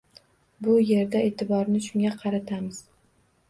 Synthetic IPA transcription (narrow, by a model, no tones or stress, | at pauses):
bʊje̞ɾd̪aet̪ʰɪbɒɾnɪʃʊŋɡʲaqʰɑɾat̪ʰamɪz̥